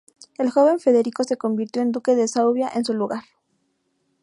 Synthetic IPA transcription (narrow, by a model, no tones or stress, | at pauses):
e̞lxo̞βe̞ɱfe̞ðe̞ɾiko̞se̞ko̞mbiɾt̪jo̞end̪uke̞ðesawβjaʔensuluɣaɾ